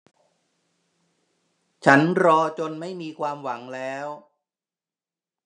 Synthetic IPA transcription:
t͡ɕʰa˦˥nɾɔː˧t͡ɕo˧nma˥˩jmiː˧kʰwaː˧mwa˩˦ŋlɛː˦˥w

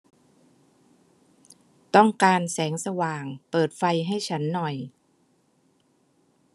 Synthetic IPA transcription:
t̪ɔ˥˩ŋkaː˧nsɛː˩˦ŋsa˧waː˨˩ŋpɤː˨˩t̪̚fa˧jɦa˥˩jt͡ɕʰa˦˥nːɔ˨˩j

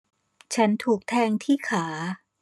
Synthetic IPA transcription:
t͡ɕʰa˦˥nt̪ʰuː˨˩k̚t̪ʰɛː˧ŋt̪ʰiː˥˩kʰaː˩˦

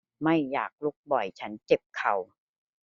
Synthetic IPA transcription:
ma˥˩jːaː˨˩k̚lo˦˥k̚bɔ˨˩jt͡ɕʰa˦˥nt͡ɕe˨˩p̚kʰa˨˩w

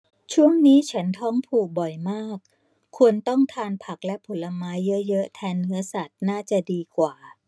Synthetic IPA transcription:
t͡ɕʰu˥˩əŋniː˦˥t͡ɕʰa˦˥nt̪ʰɔ˦˥ŋpʰuː˨˩k̚bɔ˨˩jmaː˥˩k̚ʰː | u˧ənt̪ɔ˥˩ŋt̪ʰaː˧npʰa˨˩k̚lɛ˦˥pʰo˨˩˦la˧maː˦˥jːɤ˦˥jɤ˦˥ʔt̪ʰɛː˧nːɯ˦˥ɐsa˨˩t̪̚naː˥˩t͡ɕa˨˩diː˧kwaː˨˩

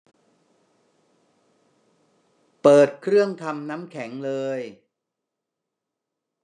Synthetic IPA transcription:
pɤː˨˩t̪̚kʰɾɯ˥˩əŋt̪ʰa˧mna˦˥mkʰɛ˩˦ŋlɤː˧j

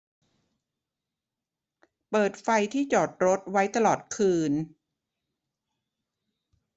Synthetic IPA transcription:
pɤː˨˩t̪̚fa˧jt̪ʰiː˥˩t͡ɕɔː˨˩t̪̚ɾo˦˥t̪̚wa˦˥jt̪a˧lɔː˨˩t̪̚kʰɯː˧n

